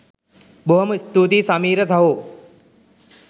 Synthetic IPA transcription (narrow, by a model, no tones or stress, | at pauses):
boɦɐmist̪uːt̪iːsaːmiːɾɐd͡zʱaɦoː